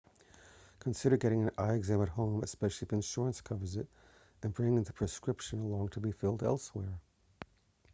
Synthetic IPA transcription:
kʰə̃nsɪɾə˞ɡɛɾɪ̃ŋɨ̃naɪɨɡzæ̃mɨt̚hõʊ̃mɨ̰spɛʃl̩ˠifɨ̃nʃʊɹə̃nskʰʌvə˞zɪɾ | ɨ̃nbɹɪ̃ŋɪ̃ŋðəpʰɹ̥ɨskɹɪpʃɨ̃nəlɔ̃ŋtʰəbifɪlˠdɛ̰lˠswɛɹ

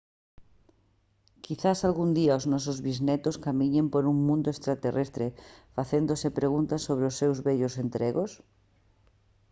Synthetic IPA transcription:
kiθasalɣund̪iaoznɔsozβiznet̪oskamiɲempoɾuŋmũnd̪oest̪ɾat̪erʔest̪ɾefaθend̪osepɾeɣ̞unt̪asːoβɾeosːewzβeʎosent̪ɾeɣos

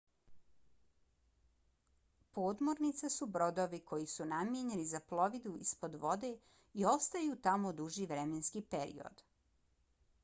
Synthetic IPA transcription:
po̞ːd̪mo̞ɾnit̪sasubɾo̞d̪oʋikʰo̞jisunamjeɲenizaplˠo̞ʋid̪uispo̞d̪ʋo̞d̪e̞ | io̞st̪ajut̪amo̞d̪uʒiʋɾemenskipeɾḭo̞̰d̪

